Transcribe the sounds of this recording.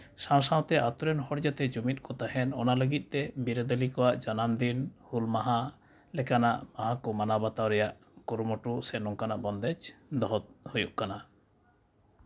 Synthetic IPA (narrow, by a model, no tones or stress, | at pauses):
saw̃sãw̃t̪ɛʔat̪ɔɾɛnhɔɽd͡ʒat̪ɛd͡ʒumit̪̚ˀkɔt̪ahɛnɔnaləɡit̪̚ˀt̪ɛbiɾəd̪əlikɔwaʔd͡ʒanamd̪inhulmaɦa | lɛkanaʔmaɦakɔmanabat̪awɾɛjaʔ | kɔɾmɔʈusɛnɔŋkanaʔbɔnd̪ɛd͡ʒd̪ɔɦɔt̪̚hojuʔkana